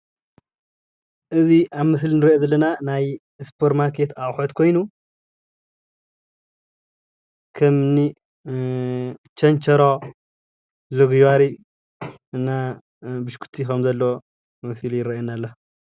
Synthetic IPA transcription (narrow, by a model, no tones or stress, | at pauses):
ʔɨziʔaβmɨslnɨɾiʔozɐlːɐnanaj | ɨspʰoɾmaɾkʰe̞t̪awħot̪kʰo̞jnu | kʰɐmni | t͡ʃʰɐnt͡ʃʰɐɾo | zoɡjwaɾi | ɨnːa | bɨʃkʰu̥t̪ʰixɐmzɐlːo | mɨsɨljɪɾɐenalːɐ